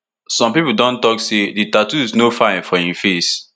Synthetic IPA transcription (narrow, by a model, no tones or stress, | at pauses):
sɔ̃mpipudɔ̃ntɔkseditatuiznofãɪ̃nfɔhĩmfes